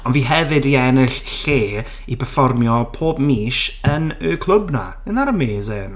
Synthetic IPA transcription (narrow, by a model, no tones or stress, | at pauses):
ɔnviːɦɛvɨdiɛnɪɬːeː | ipʰɛrfɔrmjɔpʰoːb̚miːʃənøkʰlˠʊbna̰ | ənaɾəmeːzen